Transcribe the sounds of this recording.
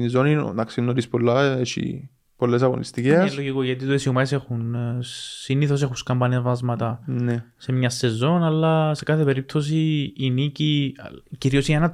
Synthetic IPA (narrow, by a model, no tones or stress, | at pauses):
nizonḭnɐksinːoɾispolːɐet͡ʃḭ | polːes̬ɐɣo̰nlist̪iceslːoʝikoʝɐt̪it̪uesiumɐese̞xun | siniθo̞s̬e̞xunskɐmbɐniɐvɐzmɐt̪ɐnese̞mɲɐsːe̞zo̞nɐlːɐse̞kɐθe̞pe̞ɾip̚t̪o̞s̬iːniciciɾiosinenɐ